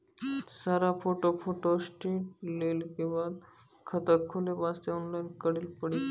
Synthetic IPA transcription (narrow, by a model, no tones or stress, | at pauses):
saɾafoʈofʰoʈosʈiʈ̚lelkibad̪ | kʰət̪akʰːulebast̪aɔnlajnkəɽilpəɽi